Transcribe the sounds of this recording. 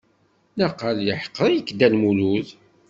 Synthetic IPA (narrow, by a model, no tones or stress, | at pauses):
naqːəljəħə̥qːəɾˤijəkːd̪ælmuluð